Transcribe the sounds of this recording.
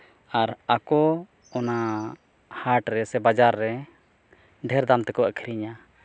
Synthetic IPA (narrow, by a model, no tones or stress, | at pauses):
aɾakɔ | ɔna | haɾʈɾɛsɛbad͡ʒaɾːɛ | ɖʱɛɾd̪amt̪ɛkɔəkʰiɾiɲa